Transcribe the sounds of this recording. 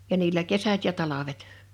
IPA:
jɑ niːlːæ kesæt jɑ tɑlɑʋet

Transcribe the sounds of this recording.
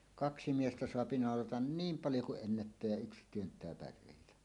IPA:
kɑksi miestæ soɑpi nɑˑolɑtɑn niːm pɑljo kuʔ ʔenːætːæː jæ yks tyøntˑæː pærˑeˑitæ

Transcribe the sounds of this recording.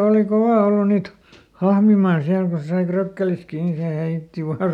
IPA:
oːli koʋɑˑ olːu niːt hɑhmimɑːn siæl ko se sɑi frøkːelis kiː ni se heitːi ʋɑː

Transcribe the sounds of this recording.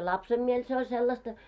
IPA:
lɑpsem miel se olʲ selːɑstɑ

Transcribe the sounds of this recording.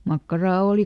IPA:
mɑkːɑrɑː oˑli

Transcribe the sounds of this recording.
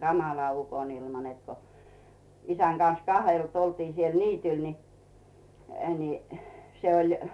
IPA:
ɡ̊ɑmɑlɑ ukonilmɑ net ko isæn ɡ̊ɑn̞s kɑhelt oltiː siel niːtyl ni ni se olʲ

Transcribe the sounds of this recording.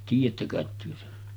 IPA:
tiːjˑætːæ kɑˑet tyø sen

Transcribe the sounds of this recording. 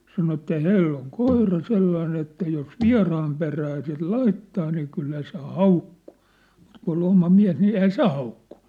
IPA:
sɑno etːæ hænelː oŋ koirɑ selːɑin etːæ jos ʋiɑ̝rɑːm peræː sit lɑitːɑː niː kylːæ se hɑukːu̥ː mut kun ol omɑ miæ̝s ni eihæ se hɑukːu̥n̥

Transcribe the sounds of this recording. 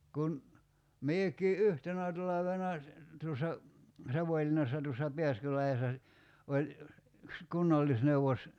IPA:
kun miekˑiː ʔyhtenæ tɑlɑʋenɑ tuosːɑ sɑʋoĭlinːɑsːɑ tuosːɑ pe̝æskylɑhesːɑ si olʲ yks kunːɑlːisneuʋos

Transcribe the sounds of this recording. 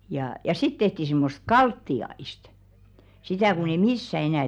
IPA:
jɑˑ jɑ sit tehti simːost̆ kɑltːiɑist sitæˑ kun ei misːæ enæˑ

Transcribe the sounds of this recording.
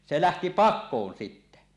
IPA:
se læhti pɑkˑoːn sitːæ

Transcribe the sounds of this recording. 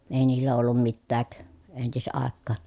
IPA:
eˑi niːlːæ olːum mitːæːk entisɑˑekːɑːn

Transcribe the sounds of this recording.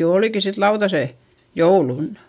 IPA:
jo oˑliki sit lɑutɑseˑ joulunːɑ̥

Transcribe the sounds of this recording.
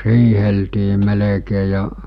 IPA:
hiːheltiː melekeː jɑ

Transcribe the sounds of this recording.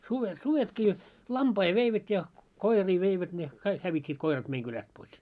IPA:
suʋet suʋetkiː lɑmpɑi ʋeiʋæt jɑ koiriː ʋeiʋæt ne kɑik hæʋitʲːiːt koirɑt meiŋ kylæst pois

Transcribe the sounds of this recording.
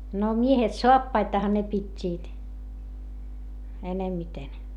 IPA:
no miehet soɑpːɑitɑhɑ ne pitʲːiːt enemːiten

